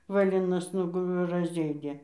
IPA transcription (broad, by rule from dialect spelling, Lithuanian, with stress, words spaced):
ʋɐˈlʲɪnɐs ˈnʊɡʊ rɐzʲˈeːdʲeː